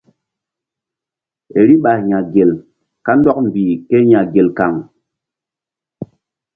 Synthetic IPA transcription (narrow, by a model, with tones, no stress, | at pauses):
e˨ɾi˦ɓa˨hɲa˨ɡe˨l | ka˦n˦dɔ˦k̚m̩˨bi˨ke˦ɲa˨ɡe˨lka˨ŋ